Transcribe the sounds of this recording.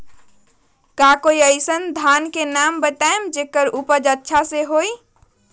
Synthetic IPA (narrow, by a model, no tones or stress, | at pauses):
kakoiəɪjsənd̪ʱankenambət̪aemd͡ʒekəɾupəd͡ʒətːʃʰaseɦoj